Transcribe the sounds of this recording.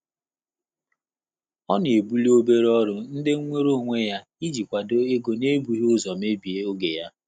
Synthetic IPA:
ɔ˦n˨e˨bu˦li˦o˦be˦ɾɔ˦ɾʊ˨n̩˦dɪ˦ŋʷe˦ɾo˦ŋʷe˦ja˦ | i˦d͡ʒi˨kʷa˨do˦e˦ɡo˨ne˦bu˨ɦi˦ʊ˦zɔ˨me˦bi˨e˦o˦ɡe˨ja˦

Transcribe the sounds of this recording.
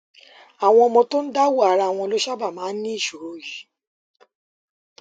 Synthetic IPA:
a˨w̃ɔ̃˧mɔ̃˧to˦n̩˦da˦wu˦a˨˦ɾa˧˨w̃ɔ̃˧lo˦ʃa˦ba˦˨mãː˨˦n̩˦nĩ˦i˦˨ʃo˨ɾo˨ji˨˦

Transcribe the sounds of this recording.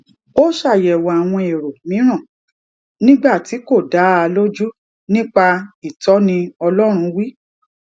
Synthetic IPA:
o˦ʃa˦˨jɛ˨wa˨a˨w̃ɔ̃˧e˨ɾo˨mĩ˨˦ɾ̃ã˦˨ | nĩ˦ɡ͡ba˦˨ti˨˦ko˦˨da˨˦a˧lo˦d͡ʒu˦ | nĩ˦k͡pa˧i˨tɔ˨˦nĩ˧ɔ˧lɔ˦ɾ̃ũ˧wi˦

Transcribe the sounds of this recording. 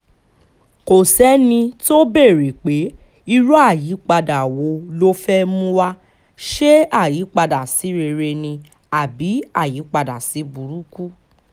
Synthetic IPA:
ko˨sɛ˨˦nĩ˧to˦be˦˨ɾi˨k͡pe˨˦ | i˧ɾu˦a˦˨ji˨˦k͡pa˧da˨wo˨˦lo˦fɛ˦mũ˦wa˧ | ʃe˦a˦˨ji˨˦k͡pa˧da˨si˨˦ɾe˧˨ɾe˧nĩ˧ | a˨bi˨˦a˦˨ji˨˦k͡pa˧da˨si˨˦bu˨ɾu˨˦ku˦

